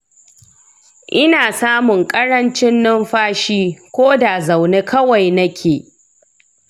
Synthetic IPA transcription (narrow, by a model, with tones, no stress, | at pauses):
ʔɪ˦naː˨saː˦mʊ˨ŋkʼɐ˦ɽɐ˦nt͡ʃɪ˦nːɪ˦mɸaː˦ʃiː˦kʷoː˦da˨za˨wneː˦kʰɐ˦wa˨jnɐ˦kʲʰeː˨